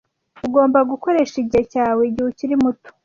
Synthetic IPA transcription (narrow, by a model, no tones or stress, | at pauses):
uɡo̞ːmbaɡuko̞ɾe̞ʃiɟihecaːwe̞ɟihuciɾimuto̥